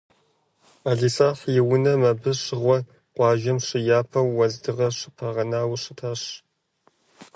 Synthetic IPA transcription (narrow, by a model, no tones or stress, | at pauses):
aːɮiːsaːħjɪwʊnɐmɐbɨɕɪʁʷɔ | qʷɑːʒɐmɕɪjaːpʰɐwːɐzdɨʁɐɕɪpʰɐʁɐnaːwɕɨtʰaːɕ